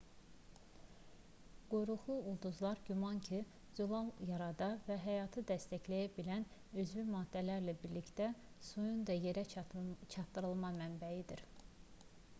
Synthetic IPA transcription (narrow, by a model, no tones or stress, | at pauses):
ɡ̥ujɾuχlˠuulˠd̪uzlˠɑɾɟymɑncʰi | zulˠɑlˠjɑɾɑd̪ɑvæɦæjɑːt̪ʰɯd̪æst̪æçlæjæbilænøzvymɑːd̪̥ːælæɾlæbiɾlicd̪æ | sujund̪ɑje̞ɾæt͡ʃʰɑt̪ːɯɾɯlˠmɑmænbæjid̪iɾ